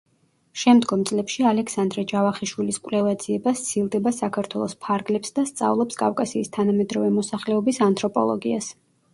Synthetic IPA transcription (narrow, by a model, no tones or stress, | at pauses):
ʃɛmd̪ɡɔmt̪sʼlɛpʃialɛksand̪ɾɛd͡ʒavaχiʃwiliskʼwlɛvad̪z̥iɛbast̪sʰilˠd̪ɛbasakʰaɾt̪ʰwɛlˠɔspʰaɾɡlɛpsd̪ast̪sʼa̰vlˠɔpskʼavkʼasiːst̪ʰanamɛd̪ɾɔvɛmɔsaχlɛɔbisant̪ʰʼɾɔpʼɔ̰lˠɔ̰ɡias